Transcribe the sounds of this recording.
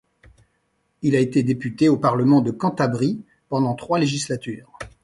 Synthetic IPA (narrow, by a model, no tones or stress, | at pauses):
ilaet̪ed̪epyt̪eopaʁləmɑ̃d̪əkɑ̃t̪abʁi | pɑ̃d̪ɑ̃t̪χwaleʒislat̪yːʁ